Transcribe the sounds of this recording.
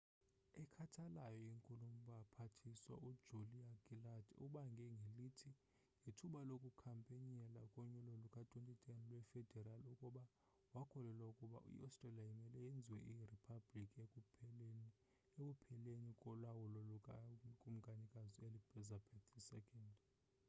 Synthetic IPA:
ɛkʰatʰalajɔiŋkʼulumbapʰatʰiswa̰ʔudd͡ʒ̥uliakʼiladuɓaŋɡʱɛŋɡʱelitʰi | ŋɡʱitʰuɓalokʼukʰampʼeɲɛlakʼɔɲɛlɔlukʼatʼwentʼitʼɛnilwɛfɛd̥ʱɛraliukʼuɓa | wakʰɔlɛlwaukʼuɓa̰ʔṵḭastʼrɛliajimɛlɛjend͡zʱiwɛʔiripʰablikʼ | ekupʰɛlenikʼɔlwawulɔlukʼakʼum̩ɡʱanikʼazielibɛzapʰɛtʰisɛkʼɛnd

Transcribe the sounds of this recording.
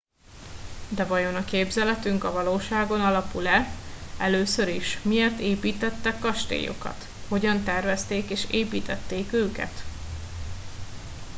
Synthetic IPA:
d̪ɛvɒjo̞nɒkeːbzɛlɛt̪yŋkɒvɒloːʃaːɡo̞nɒlɒpulɛɛløːsø̞ɾiʃmieːrt̪eːpiːt̪ɛt̪ːɛkːɒʃt̪ḛːjo̰kɒ̰t̪ | ho̞ɟɒnt̪ɛrvɛst̪eːkeːʃeːpiːt̪ɛt̪ːeːkøːkɛ̰t̪

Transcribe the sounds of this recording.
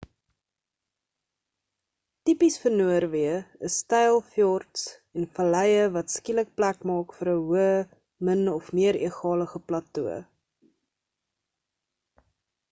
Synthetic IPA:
tipisfərnuərviəəsːtɛjlˠfjɔrts | ɛnfɐlɛjəvɐtskilək̚plækmɑːkfəɾəɦuəə | mənɔfmiəɾḭəχɑːləχəplɐtuə̰

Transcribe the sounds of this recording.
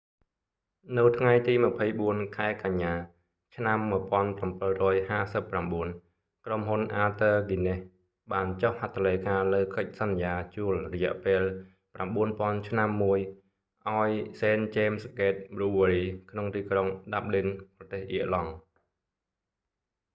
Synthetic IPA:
nɨwt̪ʰŋajt̪iːmə̆pʰəjɓuənkʰaɛkaɲːaː | t͡ɕʰnamːŭəpŏənprampɨlrɔːjhaːsəpːramɓuən | kromɦunʔaːt̪əːɡineh | ɓaːnt͡ɕohhat̪ʰːalejkaːləːkɨc̚sɑnːjaːt͡ɕuəlrɔjɛ̆əʔpeːl | pramɓuənpŏənt͡ɕʰnamːuəj | ʔaɔjseːnt͡ɕeːmskeːt̪̚ruːʋaɾiːkʰnoŋt̪iːkroŋɗap̚ɗinprɑt̪eːhʔiəʔlɑŋ

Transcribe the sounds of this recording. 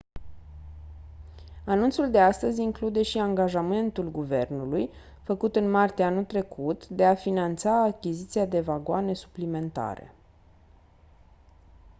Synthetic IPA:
anunt̪suld̪e̞ast̪əzʲiŋklud̪e̞ʃiaŋɡaʒame̞nt̪ulɡuve̞̰rnuluj | fəkut̪ɨnmart̪eanut̪ɾe̞kʰut̪d̪e̞afinant̪saːkʲizit̪siad̪e̞vaɡoane̞su̥plime̞nt̪a̰ɾe̞̰

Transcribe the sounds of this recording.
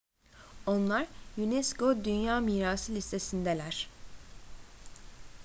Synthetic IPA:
o̞nlˠaɾjunɛsko̞d̪ynjaːmiːɾaːsɯlʲist̪ʰe̞sind̪ɛlʲæɾ̥

